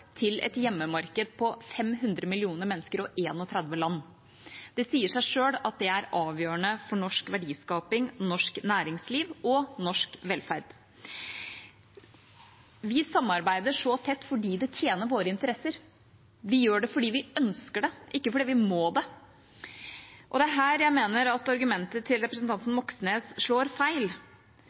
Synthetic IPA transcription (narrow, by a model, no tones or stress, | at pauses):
t̪ʰɪlɛ̰t̪jɛmːəmɑɾkəd̪̚pʰɔfɛmɦʉnd̪ɾəmɪlɪuːnəɾmɛnːəskəɾɔʔeːnɔt̪ʰɾɛd̪ʋəlɑnː | d̪̥ɛsiːəʂæɪʂøːlɑt̪̚d̪ɛæɾɑːʋjøːəɳəfɔɳɔʂkʋæɖiːskɑːpɪŋnɔʂknæːɾɪŋsliːʋɔnɔʂkʋɛlfæɾd̪̥ | ʋɪsɑmːɑɾbæɪd̪əʂɔt̪ʰɛt̪ːfɔɖiːd̪ɛt̪ʰjeːnəɾʋoːɾəɪnt̪əɾɛsːəɾ | ʋɪjøːɖɛfɔɖiːʋɪœnskəɖɛʔɪkːəfɔɖiːʋɪmoːd̪ɛ | ʔɔd̪ɛæɦæːɾjæɪmeːnəɾɑt̪ɑɾɡʉmɛnt̪ət̪ʰɪlɾɛpɾəsn̩t̪ʰɑnt̪n̩mɔksneːsʂɭoːɾfæɪl